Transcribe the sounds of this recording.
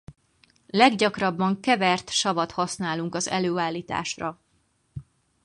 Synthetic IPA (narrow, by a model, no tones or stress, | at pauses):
lɛɡɟɒkrɒbːɒŋkɛvɛrt̪ʃɒvɒt̪hɒsnaːluŋkɒzɛ̰løːaːlːiːt̪a̰ːʃrɒ